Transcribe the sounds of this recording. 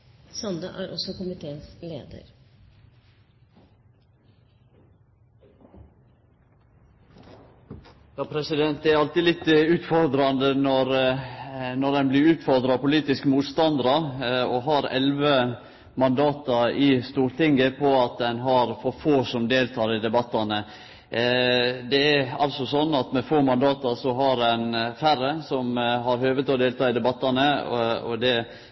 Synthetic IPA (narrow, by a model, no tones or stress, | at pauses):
sɑnd̪əʔæːɾɔsɔkʊmɪt̪ʰeːslḛːd̪ə̰ɾ | jɑːpʰɾɛsɪd̪ɛnt̪æɾɑlt̪ilɪt̪ːʉːt̪fɔɾd̪ɾɑnd̪ənɔɾ | nɔɾd̪ɛnblɪɾʉːt̪fɔɾd̪ɾɑpʊliːt̪ɪskəmuːt̪st̪ɑnd̪əɾɑɔɦɑɾɛ̰lʋə | mɑnd̪ɑːt̪ɑɪst̪uːɾt̪ɪŋɡəpʰɔɑt̪̚d̪ɛnɦɑɾfɔɾfoːsɔmd̪eːlt̪ʰɑːɾɪd̪ɛbɑt̪ːɑnə | d̪ɛæɾɑlsɔsɔnːɑt̪mɛfoːmɑnd̪ɑːt̪ɑɾsɔɦɑɾɛnfæɾəsɔmɦɑɾhøːʋət̪ɔd̪eːlt̪ʰɑːɪd̪ɛbɑt̪ːɑnəɔ̰d̪ɛ